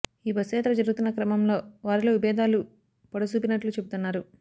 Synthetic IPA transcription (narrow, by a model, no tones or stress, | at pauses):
iːbɐsɛːt̪ɾɐd͡ʒɐɾuɡut̪unːɐkɾɐmɐmlo̞ːʋaːɾilo̞ːʋibɛːd̪ʱaːlu | pɐɽɐsuːpinɐʈlut͡ʃe̞but̪unːaːɾu